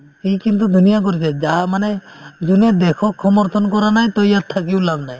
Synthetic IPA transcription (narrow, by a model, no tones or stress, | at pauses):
hikint̪̬ud̪ʱunijak̬ɔɾit͡ʃʰɛd͡ʒamaned͡ʒuned̪ekʰɔksɔmɔɾt̪ʰɔnkɔɾanaj̃t̪ɔjjat̪ʰːakiwlabnaj